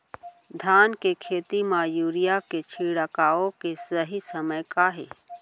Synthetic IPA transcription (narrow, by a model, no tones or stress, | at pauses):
d̪ʱaːnkekʰeːt̪imaːjuːɾijaket͡ʃʰiːɽəkaːõkesəɦisəməjkaɦḛː